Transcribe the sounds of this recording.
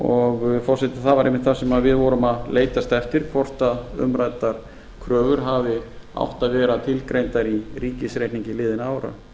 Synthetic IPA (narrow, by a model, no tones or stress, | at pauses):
ɔɣfɔr̥sɛt̪ɪθavaɾejmɪt̪θasɛmavɪðvɔɾʏmaðleːjt̪ast̪ɛft̪ɪɾ̥kʰvɔr̥t̪aðʏ̰mɾajt̪aɾ̥ | kʰɾœːvʏɾɦavɪa̰wht̪aðvɛːɾat̪ʰɪlkɾejnt̪aɾiriːcɪsɾejht̪niɲcɪlɪːðɪnaaːwɾa̰